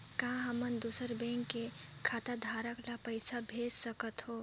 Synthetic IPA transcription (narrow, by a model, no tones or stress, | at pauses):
kãɦɐmənd̪uːsəɾbɛ̃ːŋkːekʰaːt̪ad̪ʱaːɾəklapəɪsabʱeːd͡ʒsəkət̪ɦoː